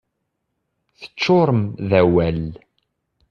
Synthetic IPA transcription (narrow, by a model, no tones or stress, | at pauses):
θə̥t͡ʃːoɾˤəmðæwæl